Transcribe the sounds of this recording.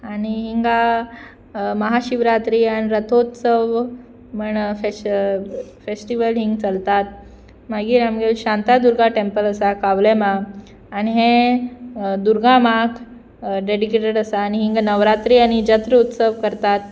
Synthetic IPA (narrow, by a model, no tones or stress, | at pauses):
añiɦiŋɡa | məɦaɕiʋɾat̪ɾiːañiɾət̪ʰot̪səʋ | məɳfe | fesʈiʋəlɦiŋɡt͡səlt̪at̪̚ | maɡiːɾamɡeɕãnt̪ad̪uɾɡaʈempələsakaʋlemaː | niɦẽ | d̪uɾɡamakʰ | ɖeɽikeʈeɽəsaːñiɦiŋɡanəʋɾat̪ɾiːaɽ̃id͡ʑət̪ɾəut̪səʋkəɾt̪at̪̚